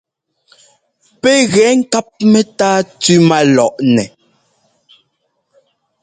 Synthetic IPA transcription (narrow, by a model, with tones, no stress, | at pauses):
pɛ˦ɣɛ˨˦ŋ̩˦ka˦p̚mɛ˦taː˦tʉ˦ma˦lɔ˨ʔnɛ˨